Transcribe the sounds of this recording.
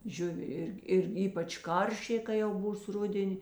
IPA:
ˈʒʲʊʋʲɪ ˈɪrʲɡʲɪ ɪr ˈiːpɐt͡ʃ ˈkɐrʲʃʲeː kɐɪ jɛʊ ˈbuːs ˈrʊdʲɛnʲɪ

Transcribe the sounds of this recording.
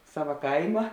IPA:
ˈsɑːʋɐ ˈkɐɪmɐ

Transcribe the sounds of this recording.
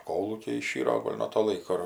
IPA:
ˈkoːlˠuːkʲɛɪ ɪˈʃʲiːroː ˈɡoːlʲ nuɔ toː ˈlˠɐɪkoː ɪr

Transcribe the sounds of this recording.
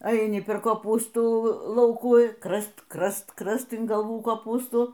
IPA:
ɐɪˈnʲɪ pʲɛr koːˈpuːstuː ˈlˠɐʊkuː ˈkrɐst ˈkrɐst ˈkrɐst ɪn ɡɐlˠˈʋuː koːˈpuːstuː

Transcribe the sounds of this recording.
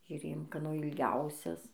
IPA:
ʒʲʊˈrʲeːjoːm kɐˈnoː ɪlʲˈɡʲɛʊsʲɛs

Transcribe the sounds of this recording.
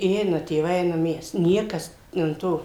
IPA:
ɪ ˈɛɪnɐ tʲeːˈʋɐɪ ˈɛɪnɐm ˈmʲɛs ˈnʲiɛkɐs ɐn ˈtoː

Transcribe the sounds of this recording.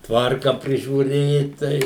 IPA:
ˈtʋɐrkɐ pʲrʲɪʒʲuːˈrʲeːt ˈtɐɪ

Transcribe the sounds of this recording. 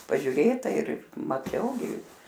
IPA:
pɐʒʲʊˈrʲeːtɐ ɪr mɐˈt͡ʃʲɛʊ ɡʲɪ

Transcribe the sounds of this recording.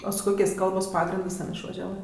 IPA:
oː sʊ ˈkoːkʲeːsʲ ˈkɐlˠboːs ˈpɑːɡrʲɪndɜs ˈtʲɛn ɪʃʋɐʒʲɛˈʋɜ

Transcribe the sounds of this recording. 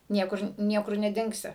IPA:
ˈnʲiɛkʊr ˈnʲiɛkʊr nʲɛˈdʲɪŋksʲɪ

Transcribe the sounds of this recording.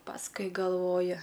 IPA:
pɐsˈkʊɪ ɡɐlˠˈʋoːjʊ

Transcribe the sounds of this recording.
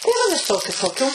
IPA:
tɐɪ ˈʋɐ ʋʲɪˈsoːkʲʊ toːˈkʲuː

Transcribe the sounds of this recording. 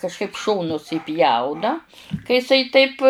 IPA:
kɐʃˈkɐɪp ˈʃoːnʊs iːˈpʲjɛʊnɐ kɐ jɪˈsɐɪ ˈtɐɪp

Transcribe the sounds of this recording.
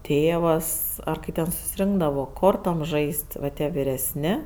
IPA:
ˈtʲeːʋɐs ˈɐr kɐɪ tʲɛn sʊsʲɪˈrʲɪŋɡdɐʋoː ˈkoːrtoːm ˈʒɐɪsʲtʲ ʋɐ ˈtʲiɛ ʋʲɪrʲɛsʲˈnʲɪ

